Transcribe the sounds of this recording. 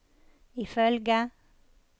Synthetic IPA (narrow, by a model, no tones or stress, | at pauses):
ɪfœlɡə